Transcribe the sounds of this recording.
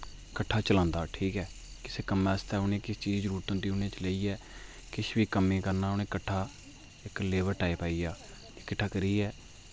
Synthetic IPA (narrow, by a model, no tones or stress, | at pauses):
kəʈʰːaːt͡ʃəlãːnd̪aːʈʰiːkɛː | kɪseːkəmɛːst̪ɛːʊnẽːkɪst͡ʃiːd͡ʒd͡ʒəɾuːɾt̪ʊ̃nd̪iːʊneːt͡ʃləiːɛː | kɪʃbiːkəmːẽːkəɾnaːʊnẽːkəʈʰːaː | ɪkleːʋəɾʈaːipaːiːjaː | d͡ʒekɪʈʰːaːkəɾiːɛː